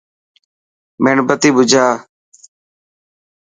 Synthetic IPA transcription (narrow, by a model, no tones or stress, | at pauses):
meːɳbət̪iːbʊd͡ʒʱaː